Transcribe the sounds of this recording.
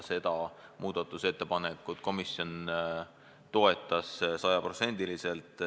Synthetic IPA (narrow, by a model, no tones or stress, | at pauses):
se̞d̪̥ɑmʔuːd̪̥ɑt̪ːˑuse̞t̪ːe̞pɑne̞kːˑut̪ko̞misjo̞n | t̪o̞e̞t̪ːˑɑssɑjɑpro̞t̪se̞nʲd̪̥ilise̞lt̪ˑ